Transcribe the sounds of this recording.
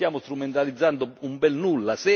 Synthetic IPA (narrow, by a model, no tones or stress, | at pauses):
jaːmʊst̪ɾumɛnt̪alid̪zːant̪ʊumbɛlnulːasɛ